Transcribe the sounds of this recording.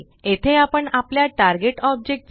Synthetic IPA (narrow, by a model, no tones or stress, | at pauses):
et̪ʰeapəɳapljaʈaɾɡeʈɔb̚d͡ʑek̚ʈ